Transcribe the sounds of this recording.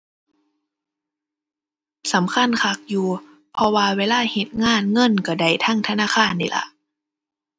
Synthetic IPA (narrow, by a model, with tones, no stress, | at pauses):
sa˨˦mkʰa˧˥˨nkʰa˧˩k̚juː˨˧ | pʰɔ˧waː˧weː˧˨laː˧˥˨he˧˦t̪̚ŋaː˧˥˨nŋɤ˧˥˨nka˧˩da˧˩jt̪ʰa˧˥˨ŋt̪ʰa˧naː˧˥˨xʰaː˧˥˨nːḭ˧˩lʔa̰˧ʔ